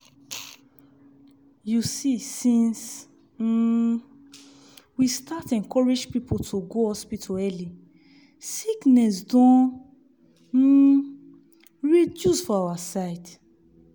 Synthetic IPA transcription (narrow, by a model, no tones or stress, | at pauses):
jusisĩns̩ | wistatɛ̃nkɔɹed͡ʒpipotʰoɡohɔspitʰoɛli | siknɛs̬dɔ̃ | ɹidusfɔawasaɪd